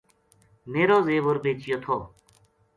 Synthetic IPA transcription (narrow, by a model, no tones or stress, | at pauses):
meːɾõːzeːʋoɾbeːt͡ʃɪjoːt̪ʰoː